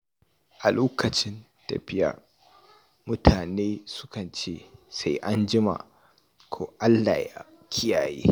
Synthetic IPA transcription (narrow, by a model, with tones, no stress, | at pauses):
ʔa˨loː˦kɐ˨t͡ʃɪ˦n | ta̰˨ɸɪ˦ja̰˨ | mʊ˦tʰaː˨neː˦sʊ̥˦kɐ˨nt͡ʃeː˦˨sa˦jʔa˦nd͡ʒɪ˦ma̰˨ | kʰoː˦ʔa˦lːa̰ː˨ja˦ | kʲʰɪ˦jaː˨jḛː˦